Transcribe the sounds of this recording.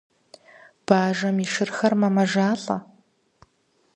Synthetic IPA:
b̥aːʒɐmiʂɨrxɐrmɐmɐʒaːɬʼɐ̰

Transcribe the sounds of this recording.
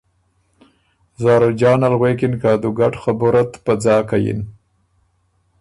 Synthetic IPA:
zɑːɾad͡ʒɑːnalɣwekɪnkɑd̪uɡaʈxabʊɾat̪pad͡zɑːkajḭn

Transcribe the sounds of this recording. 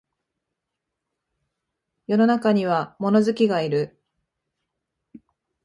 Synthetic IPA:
jo̞no̞nakaɲ̟iβ̞amo̞no̞zɨkʲiɡaiɾɯ̟

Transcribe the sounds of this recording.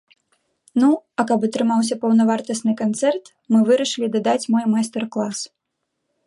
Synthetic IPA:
nuɐkɐpɐt̪ɾɨmaws̬ʲɐpɐwnɐvart̪ɐsʲnɨkant̪sɛrt̪ | mɨvɨɾɐʂɨlʲid̪ad̪at͡sʲmɔjmajsʲt̪ɛrklˠas

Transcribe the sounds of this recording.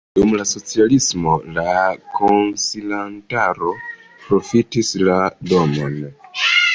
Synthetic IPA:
dumlaso̞t͡sialismo̞lakʰonsilantaɾo̞ | pɾo̞fitislado̞mo̞n

